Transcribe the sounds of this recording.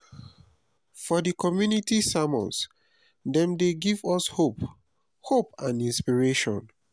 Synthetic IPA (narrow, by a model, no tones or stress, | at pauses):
fɔdikʰɔmjunitisamɔ̰̃ns | dɛ̃mdeɡivɔshop | hopãnĩnspiɹeʃɔ̰̃n